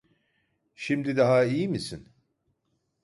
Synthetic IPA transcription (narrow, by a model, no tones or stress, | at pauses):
ʃimd̪id̪aɦaijimisin